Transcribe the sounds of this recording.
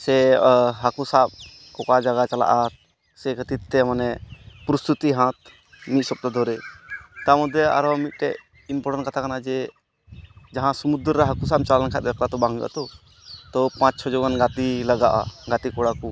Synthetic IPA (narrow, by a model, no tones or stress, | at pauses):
sɛɦakusaɓ̚ | kɔkad͡ʒaɡat͡ʃala̰ʔaɾ | sɛkʰət̪it̪t̪ːɛmanɛpɾɔst̪ut̪iɦãt̪̚ | mit̪̚ˀsɔp̚t̪ad̪ʱɔɾɛt̪amɔd̪ʱːɛa̰ɾɔmit̪̚ʈɛ | impɔɾɛnkat̪ʰakanad͡ʒɛ | d͡ʒaɦãsɔmud̪ɾɾaɦakusaɓ̚t͡ʃalankʰɛt̪̚ɡɛklat̪ɔbaŋṵʔa̰t̪ɔ | t̪ɔpãt͡ʃt͡ʃʰɔd͡ʒɔɡanɡat̪ilaɡaʔa̰ɡat̪ikɔɽaku